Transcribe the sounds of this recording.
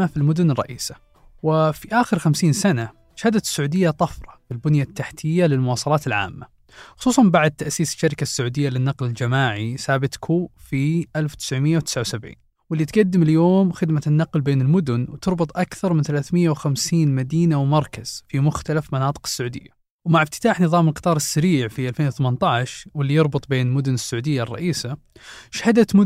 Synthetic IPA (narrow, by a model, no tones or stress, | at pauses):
afilmʊd̪ʊnɪrˤːɑ̰ʔiːsḁ | wɪfiʔaːxɪɾxamsiːnsana | ʃhad̪at̪ɪ̥sːʊʕuːd̪ɪjːat̪ˤɑfɾˤɑfilbʊnjat̪ːaħt̪ʰɪjːalɪlmʊwɑːsˤɑlɑːt̪ɪlʕa̰ːmːa | xʊ̥sˤuːsˤɑnbaʕd̪̚t̪ːaʔsiːsɪ̥ʃːaɾɪkasːʊʕuːd̪ɪjːalɪnːɑqlɪld͡ʒamaːʕisaːbɪt̪kʰuːfiʔalfw̥t̪ɪ̥sʕmɪjːawt̪ɪ̥sʕawsabʕḭːn | wɪlːit̪ɡad̪ːɪmɪljoːmxɪd̪manːɑqlbeːnɪlmʊd̪ʊnwt̪ɨɾˤbɨt̪ˤʔakθɑɾˤmɪnθalaːθmɪjːawxamsiːnmad̪iːnawmɑɾˤkaz̥fimʊxt̪alafmɑnɑːt̪ˤɨ̥qɪ̥sːʊʕuːd̪ɪ̰jːa | wmaʕɪbt̪ɪ̥t̪aːħnɨðˤɑːmɪlqɨ̥t̪ˤɑːɾˤɨsːaɾiːʕfiʔalfeːnwɪθamant̪ˤɑʕʃwɪlːijɑɾˤbɨt̪ˤbeːnlmʊd̪ʊnɪsːʊʕuːd̪ɪjːarˤːɑ̰ʔiːsa | ʃahad̪at̪mʊ